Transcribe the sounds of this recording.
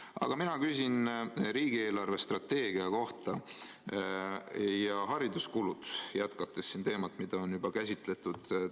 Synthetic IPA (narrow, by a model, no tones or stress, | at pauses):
ɑ̰ɡ̥ɑminɑkysʲinɾiːɡ̥ie̞ːlɑrve̞st̪rɑt̪ːe̞ːɡiɑko̞ht̪ɑ | jɑɦɑɾid̪uskulut̪sjæt̪kɑt̪ːˑesːint̪e̞ːmɑt̪ːˑmid̪̥ɑonjubɑkæsʲit̪ˑle̞t̪ːˑud̪̥